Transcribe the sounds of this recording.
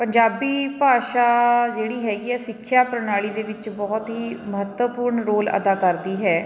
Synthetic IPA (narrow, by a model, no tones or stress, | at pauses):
pəɲd͡ʒaːbiːpaːʃaːd͡ʒeːɽiːɦɛːɡiɛːsɪkʰːjaːpɾənaːɭiːd̪eːʋɪt͡ʃbɔːt̪ɦiːməɦət̪wəpʊːɾɳɾoːlə̰d̪aːkəɾd̪iːɦɛː